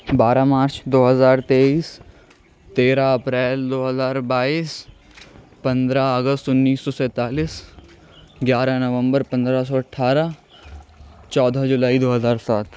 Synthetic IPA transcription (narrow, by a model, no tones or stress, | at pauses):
baːɾamaːɾt͡ʃd̪oːɦəzaːɾt̪eːiːs | t̪eːɾaɐpɾɛːld̪oːɦɐzaːɾbaːiːs | pɐ̃nd̪ɾaəɡəst̪ʊnːiːsːɔsɛ̃ːt̪aːliːs | ɡjaːɾanɐʋə̃mbəɾpɐ̃nd̪ɾas̬ɔɐʈʰaːɾa | t͡ʃɔːd̪ʱad͡ʒʊlaːid̪oːɦɐzaːɾsaːt̪ʰ